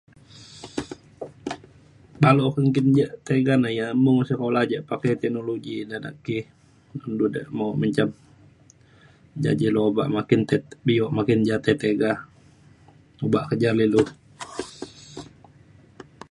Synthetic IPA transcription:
balokəŋkind͡ʒaʔt̪eɡanajamuŋsəkolahd͡ʒɛʔpakɛt̪ɛk̚noloɡinana̰ʔki | nundudɛ̰ʔmaməɲt͡ʃam | d͡ʒa̰d͡ʒilooba̰ʔmakɪnt̪ɛt̪bijɔʔmakɪnd͡ʒat̪ɛt̪eɡa | obaʔkəd͡ʒalilu

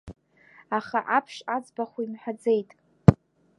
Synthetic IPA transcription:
aχaʔapʰʂad͡zbaχʷuimħad͡zejtʼ

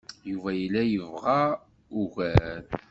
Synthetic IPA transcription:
juvæjəlːæjəvʁɑ | uɣæl

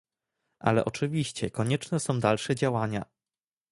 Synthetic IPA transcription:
ʔa̰lɛ̰ʔɔt͡ʂɘvʲiɕt͡ɕɛkɔɲɛt͡ʂnɛsɔ̃w̃d̪alʂɛd͡ʑawaɲa̰

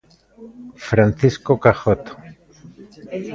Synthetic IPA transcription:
fɾanθiskokaxot̪o̥

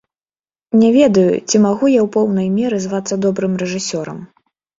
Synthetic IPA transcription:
nʲɛvʲɛd̪ɐjṵt͡sʲimaɣujawpɔwnɐjmʲɛɾɨzvat̪sːɐd̪ɔbɾɨmrɛʐɨsʲɔɾɐ̰m

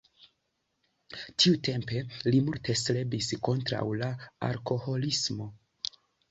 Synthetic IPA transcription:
tʰiute̞mpe̞limulte̞sle̞bisko̞ntɾa̰wlaa̰lko̞ho̞lismo̞

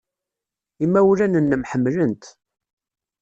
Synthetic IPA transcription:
imːæwlænənːəmħəmːlənt̪

